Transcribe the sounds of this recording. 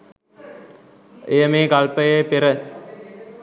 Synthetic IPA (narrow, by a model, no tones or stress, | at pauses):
ejəmeːkɐlpəjɐjpeɾə